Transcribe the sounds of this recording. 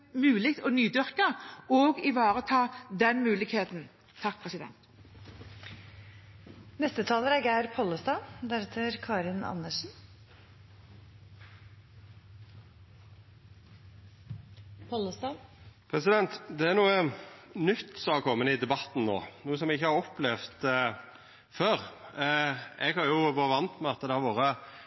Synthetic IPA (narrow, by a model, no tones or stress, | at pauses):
mʉːlɪkt̪ʰɔnyːd̪ʏɾkəɔɡɪʋɑːɾət̪ʰɑːd̪ɛnmʉːlɪɡheːt̪n | t̪ʰɑk̚ːpʰʁɛsɪd̪ɛ̰nt̪ | nɛst̪ət̪ʰɑːləɾæɡæɪɾpʰɔləst̪ɑːd̪æɾɛt̪ʰəɾkʰɑːɾɪnɑ̰nːəʂn̩ | pʰɔləst̪ɑːpʰɾɛsɪd̪ɛnt̪d̪ɛæɾnuːənʏt̪ːsɔhɑkʰɔmːənəɪd̪ɛbɑt̪n̩no̰ːnuːəsɔmɛɪçːəhɑɾɔplɛʋt̪ | føːɾ | ɛɡhɑɾjʊʋɑːəʋɑnt̪mɛɑt̪ːəd̪ɛhɑɾʋoːɾə